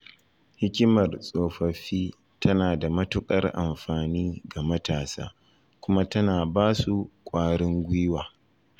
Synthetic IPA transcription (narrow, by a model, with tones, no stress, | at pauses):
hɪ˦kʲɪ˦mɐ˨rsʼoː˨ɸɐ˨ɸiː˦ | tʰɐ˦naː˨da˨mɐ˦tʊ˦kʼɐ˦rʔa̰˨mɸaː˨niː˦ɡa˨mɐ˦taː˨sa̰ː˦ | kʷʊ˦ma˦tɐ˦naː˨baː˦su˨kʷʼaː˦ɽɪ˦ŋɡʷi˦waː˨